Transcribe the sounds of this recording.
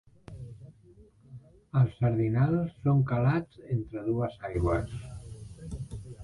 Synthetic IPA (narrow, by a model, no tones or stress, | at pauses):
əlˠsːəɾðinalˠsːoŋkalad͡zent̪ɾəðuəzajɣwəs